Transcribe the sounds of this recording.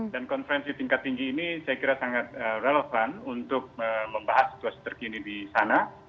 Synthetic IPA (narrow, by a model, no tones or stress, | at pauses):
dankɔnfəɾɛnsit̪iŋkat̪ːiŋɡiːnisajakiɾasaŋat̪̚əreləfanunt̪ʊk̚əməmbaɦasːi̥t̪uasi̥t̪ərkinidisana